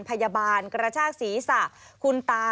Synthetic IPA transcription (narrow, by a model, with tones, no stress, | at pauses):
npʰa˧ja˧baː˧nkɾa˧t͡ɕʰaː˥˩k̚siː˩˦sa˨˩ʔkʰu˧nt̪aː˧